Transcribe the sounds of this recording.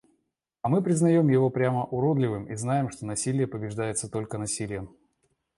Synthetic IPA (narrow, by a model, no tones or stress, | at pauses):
ɐmɨpɾʲɪznɐjo̞mjɪvo̞pɾʲaməʔʊɾo̞d̪lʲɪvɨmiznajɪmʂt̪o̞nɐsʲilʲɪjəpəbʲɪʐd̪ajɪt̪sət̪o̞lʲkənɐsʲilʲɪjəm